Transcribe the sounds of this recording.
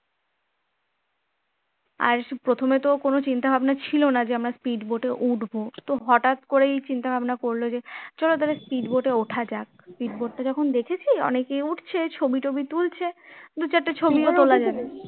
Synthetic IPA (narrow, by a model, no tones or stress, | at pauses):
a̰ɾpɾot̪ʰomet̪okonot͡ɕint̪abʱabnat͡ɕʰilonad͡ʑeamɾaspiɖboʈeʔuʈbot̪oɦɔʈat̪koɾejt͡ɕint̪abʱabnakoɾlod͡ʑet͡ɕɔlot̪̬alespiɖboʈeoʈʰad͡ʑak̚spiɖboʈ̚ʈad͡ʑɔkʰond̪ekʰet͡ɕʰiɔ̰nekeuʈʰt͡ɕʰet͡ɕʰobiʈobit̪ult͡ɕʰed̪ut͡ɕʰeʈːat͡ɕʰobioolad͡ʑabe